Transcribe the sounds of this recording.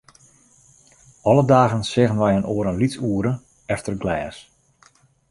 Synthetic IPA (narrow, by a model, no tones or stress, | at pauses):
ɔlədaːɣənsɪɣənʋɛjənoəɾənlitsuəɾə | ɛftərɡlɛːs